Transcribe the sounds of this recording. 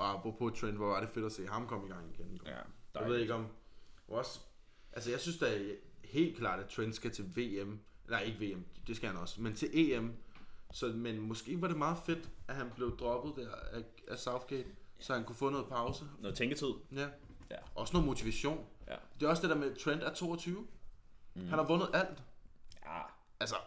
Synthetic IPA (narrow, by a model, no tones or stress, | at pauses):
ʔɒ̽ɑb̥ʰʁɔpʰot͡sʰʁend̥ʋɒʋɑ̈ɾe̝fe̝ɾ̥ɒse̝̰ːɦɑ̈mkʰɒ̽m̰iɡ̥ɑ̈ŋ̰iɡ̥enɡ̥ɒ̰̥aʋe̝ð̰ˠeɡ̥ɒ̽m | ɒ̽s | ʔælsəjɑ̈ɪsynsd̥eæhe̝̰ːld̥̚kʰlɑ̰̈ːɾ̥æt͡sʰʁend̥sɡ̥æt͡sʰe̝ʋe̝̰ːem | laɪe̝ɡ̥əʋe̝̰ːemd̥e̝sɡ̥æhænɒ̽sment͡sʰe̝lʔe̝̰ːemsɒ̽menmɒ̽sɡ̥e̝̰ːʋɑ̈ɾe̝mɑ̈ːð̞̩ˠfe̝d̥æɦænb̥le̝ʊd̥ʁɒ̽b̥ð̩ˠd̥æɐ̰æ | æsɑ̈ʊfɡ̥eːd̥sɒ̽hænkʰufɔ̰̽ːnɔ̽ːð̩ˠpʰɑ̈ʊsət͡sʰeŋɡ̥ət͡sʰið̞̰ˠjæɒɒ̽sno̽ːn̩mo̝t͡sʰiʋæɕo̝̰ːnd̥e̝ɒ̽sd̥e̝ɾ̥eɐmet͡sʰʁɛnd̥æɐt͡sʰo̝̰ːɒ̽t͡sʰyːʊ | hænhɑ̈ʋɔ̽nəð̞̩ˠæl̰d̥ | ælsɐ